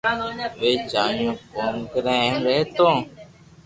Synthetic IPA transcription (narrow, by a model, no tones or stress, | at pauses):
ʋeːd͡ʒaːjõːkoːnkəɾẽːmɾeːt̪õː